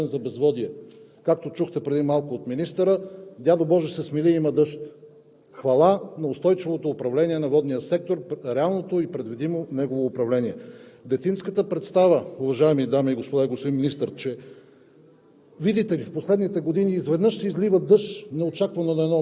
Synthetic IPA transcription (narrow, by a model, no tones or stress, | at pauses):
ɛnzɐbɛzvɔd̪iɛ | kak̚t̪ot͡ʃuxt̪ɛpɾɛd̪imalˠkoot̪minist̪əɾəd̪ʲad̪obɔʒɛsɛsmiliimɐd̪ɤʃt̪ | xvɐlˠanɐost̪ɔjt͡ʃivot̪oːpɾɐvlɛniɛnɐvɔd̪nijəsɛk̚t̪oɾɾɛalˠnot̪oipɾɛd̪vid̪imonɛɡovoːpɾɐvlɛniɛd̪ɛt̪inskət̪əpɾɛt̪st̪avəʊvɐʒaɛmid̪amiːɡospod̪aiɡosp̪inminist̪əɾt͡ʃɛ | vid̪it̪ɛlifposlɛd̪nit̪ɛɡod̪iniːzvɛd̪nɤʃsɛizlivəd̪ɤʃt̪nɐot͡ʃakvɐnonɐɛd̪nɔ